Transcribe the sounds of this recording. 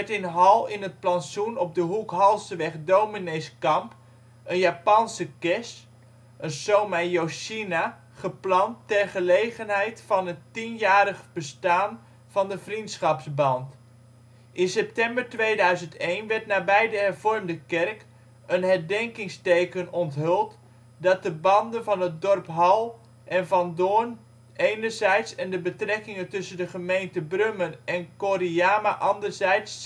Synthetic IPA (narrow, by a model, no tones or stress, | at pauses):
ɛtɪnɦɑlˠɪnɦət̚plɑnsunɔb̚dəɦukɦɑlˠsəʋɛχdowmineskɑmp | ənjapɑnsəkɛs | ʔənsowmajoʃina | χəplɑntːɛrχəlejχənɦɛjtfɑnɦətinjaːɾəχb̥əstaːn | v̥ɑndəvrintsχɑpsbɑnt | ʔɪnsɛp̚tɛmbərtʋeːdœɥzəntejnʋɛɹtnaːbɛjdəɦɛrvɔrmdəkɛrk | ənɦɛɹdɛŋkɪŋstejkənɔntɦʏlˠt | dɑt̚dəbɑndənvɑnət̚dɔrpɦɑlˠ | ʔɛnvɑndoːn | ʔejnərzɛjtsɛndəbətrɛkɪŋəntɵsəndəχəmejntəbrømənɛnkoɾiaːmaʔɑndərzɛjts